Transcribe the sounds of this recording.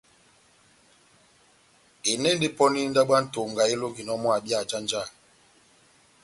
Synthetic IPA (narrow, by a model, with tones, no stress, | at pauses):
e˨nɛ˦n˦di˦pɔ˦ni˦n̩˦da˦ɓa˦n̩˦to˨ŋɡa˨e˦lo˦ɡi˨nɔ˦mɔ˦a˨bi˦a˨d͡ʒa˦n˦d͡ʒa˦˨